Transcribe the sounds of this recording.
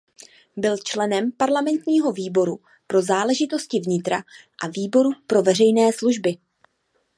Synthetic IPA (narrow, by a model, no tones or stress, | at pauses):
bɪlt͡ʃlɛnɛmpaɾlamɛnt̪ɲiːɦo̞viːbo̞ɾu | pɾo̞zaːlɛʒɪt̪o̞scɪvɲɪt̪ɾa̰ʔaviːbo̞ɾupɾo̞vɛrɛjnɛːsluʒbɪ